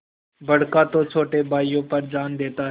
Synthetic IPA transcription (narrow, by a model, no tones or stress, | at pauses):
bəɽ̤kãːt̪oːt͡ʃʰoːʈeːbaːijõːpəɾd͡ʒaːnd̪eːt̪aː